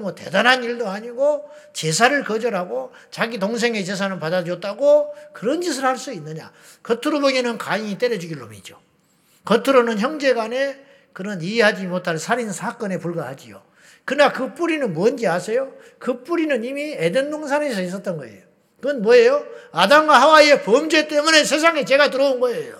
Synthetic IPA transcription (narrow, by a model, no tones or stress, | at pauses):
mwʌte̞̰danɦaniɭdoaɲiɡo | t͡ɕesʰaɾɯɭkʌd͡ʑʌɾɦaɡo | t͡ɕaɡit̬oŋs̬ʰe̞ŋe̞t͡ɕe̞s̬ʰanɯnpadaɾʌt̚t͈aɡokɯɾʌnd͡ʑis̬ʰɯɭhaɭs͈uinːɯɲa̰ | kʌtʰuɾobʌɡenɯnkaiŋit͈eɾjʌd͡ʑuɡiɾɯɭomid͡ʑo | kʌtʰuɾonɯnçjʌŋd͡ʑe̞ɡane̞ | kɯɾʌnieɦad͡ʑimotʰaɭsʰaɾinsʰak͈ʌne̞puɭɡahad͡ʑio̰ | kɯnakɯp͈uɾinɯnmuʌnd͡ʑiasʰejo | kɯp͈uɾinɯnimiedendoŋs̬ʰanes̬ʰʌis̬͈ʌt͈̚ʌnɡʌe̞̰jo | kɯʌnmwʌejoadamɡwaɦawaiepʌmd͡ʑet͈e̞mune̞sʰe̞s̬ʰaŋet͡ɕe̞ɡat̬ɯɾʌunɡʌejo